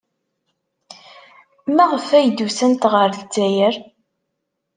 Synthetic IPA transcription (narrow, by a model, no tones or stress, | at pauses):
mæʁəfæjd̪usænt̪ʁəɾθt͡sːæjəɾ